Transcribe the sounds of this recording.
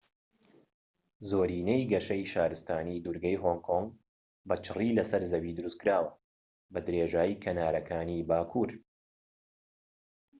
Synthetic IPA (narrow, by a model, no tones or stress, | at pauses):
zoːɾiːnɐjɡɐʃɐjʃaːɾɨst̪aːnid̪uɾɡɐjɦoːŋkʰoŋɡ | bɐt͡ʃʰɨriːlɐsɐɾzɐbid̪ɨɾust̪̚kɨɾaːwɐ | bɐd̪ɨɾeːʒaːjikʰɐnaːɾɐkʰaːnibaːkʰuɾ